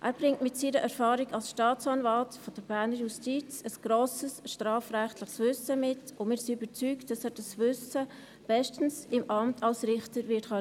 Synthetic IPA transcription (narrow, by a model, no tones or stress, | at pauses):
ʔæːɾb̥ɾɪŋtmɪtsiːɾəʔɛɾfɑːɾiɡɑlsʃtɑːt͡sɑnvɑltfɔd̥əɾb̥æːɾnəɾjustit͡səsɡ̥ɾoːsəsʃtɾɑːfrɛχtlɪχsvʏsəmɪtʊmɪːɾsiybət͡syːkt̚d̥ɑsæːd̥ɑsvʏsə | b̥ɛʃtən̩sɪmʔɑmtʰɑlsɾɪχtəɾvɪtχœ